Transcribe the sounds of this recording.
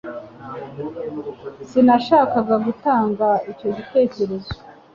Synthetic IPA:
sinaʃaːkaɡaɡutaːŋɡaico̞ɟite̞ːce̞ɾezi

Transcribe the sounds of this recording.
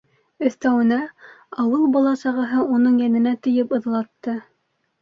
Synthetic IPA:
ɵ̆θt̪æwɘ̆næɑwɤlˠbɑlˠɑsɑʁɤ̆ɦɤunɤɴjænɘ̆næt̪ɵ̆jɘpɤ̆ðlˠɑt̪ːɤ

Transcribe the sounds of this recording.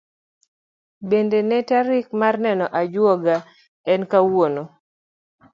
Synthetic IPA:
bendenɛtaɾikmarnɛnɔʔad͡ʒwɔɡa | ɛnkawono

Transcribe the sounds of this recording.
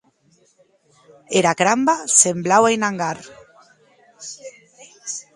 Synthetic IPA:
eɾakɾambasemblawajnaŋɡaɾ

